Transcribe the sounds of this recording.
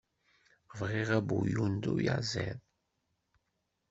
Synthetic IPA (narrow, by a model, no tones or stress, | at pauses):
vʁiʁæbujund̪uja̰ʕzɛ̰ð